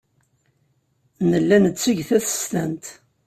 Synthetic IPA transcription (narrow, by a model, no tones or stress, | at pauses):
nəlːænət͡sːəʝθæθə̥st̪ænt̪